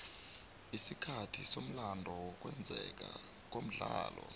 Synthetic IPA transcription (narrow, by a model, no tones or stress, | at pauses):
isikʰatʰisom̩landʱɔwɔk̬ʼwɛnd͡zʱɛk̬ʼa | k̬ʼom̩ɮaːlɔ